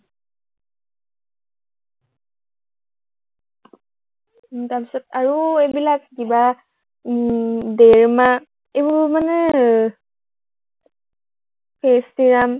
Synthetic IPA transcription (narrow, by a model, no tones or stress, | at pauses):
tapi̥sɔtaɹuebilakdiba | deɹma | ebumanə | pʰesdiɹam